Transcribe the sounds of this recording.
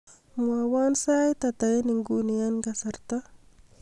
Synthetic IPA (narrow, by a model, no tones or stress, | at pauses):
muawansajt̪at̪ajeniŋɡunijanɡasaɾt̪a